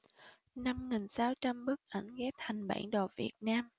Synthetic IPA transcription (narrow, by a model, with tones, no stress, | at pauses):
na˧mŋi˨˩ŋsaː˨˦wt͡ɕa˧mɓɨ˦˥k̚ʔə˧˩jŋ̟ɣɛ˦˥p̚t̪ʰa˨˩jŋ̟ɓa̰ː˧˩nɗo˨˩vḭ˨˩ət̚naː˧m